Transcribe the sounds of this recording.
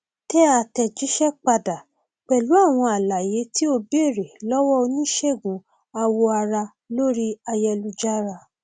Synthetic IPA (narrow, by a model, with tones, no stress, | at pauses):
tɛ˦a˧tɛ˧d͡ʒi˦ʃɛ˦k͡pa˧da˨ | k͡pɛ˨lu˨˦a˦˨w̃ɔ̃˧a˨la˨je˨˦ti˦o˧be˦e˦˨ɾe˨lɔ˦wɔ˦o˧nĩ˦ʃɛ˦˨ɡũ˨˦ | a˧wo˧a˧ɾa˧ | lo˦ɾi˦a˧jɛ˧lu˨˧d͡ʒa˦ɾa˧˨